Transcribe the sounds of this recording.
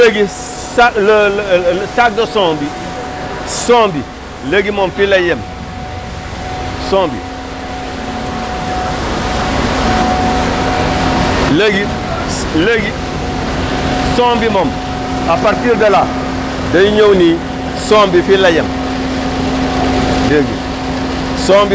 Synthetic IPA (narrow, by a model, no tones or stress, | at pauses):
leɡi | sal | sak̚dosõːmbi | soːmbi | leɡimomfilajem | sõːmbḭ | leɡi | leɡi | soːmbimom | apaɾtiɾdala | daiɲowni | soːmbifilajem | leɡḭ | soːmbi